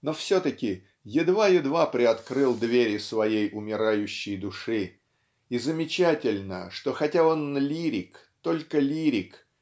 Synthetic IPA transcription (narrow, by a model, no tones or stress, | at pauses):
no̞fsʲot̪əkʲɪ | jɪd̪vajɪd̪vapɾʲɪɐt̪kɾɨlˠd̪vʲeɾʲɪsvɐjejʔʊmʲɪɾajʉɕːɪjd̪ʊʂɨ | izəmʲɪt͡ɕætʲɪlʲnə̰ʂt̪o̞xɐtʲao̞nlʲiɾʲɪk | t̪o̞lʲkəlʲiɾʲɪk